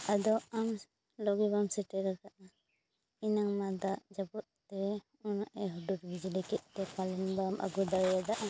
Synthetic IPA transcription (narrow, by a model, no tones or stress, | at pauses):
ad̪ɔam | lɔɡibamsɛʈɛɾakaʔa | inaŋmad̪aʔd͡ʒabut̪̚t̪ɛ | unaʔɛɦudud̪ɡid͡ʒilɛkɛt̪̚kɛpʰalɛnbamʔa̰ɡud̪aɾɛjad̪aʔa